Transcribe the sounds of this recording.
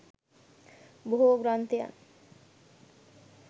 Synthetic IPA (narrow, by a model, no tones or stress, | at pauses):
boɦuɡɾant̪ia̰n